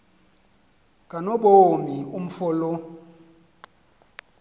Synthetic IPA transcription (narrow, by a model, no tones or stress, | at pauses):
kʼanoɓomium̩fɔlɔ